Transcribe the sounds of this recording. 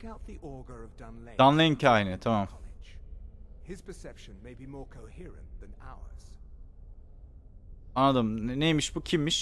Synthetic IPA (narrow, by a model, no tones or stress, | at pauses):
kaʊt̪̚ðiʔɔɹɡə˞əvdãnled̪anlˠeincʰaːjnɛt̪ʰamamd͡ʒ | ɪz̥pʰəsɛpʃɨ̃nmeɪbimɔɹkʰoʊhɪɹɨ̰̃nðɨ̃na̰ʊə̰˞z̥ | anːad̪ɯmnejmiʃbucʰimːiʃ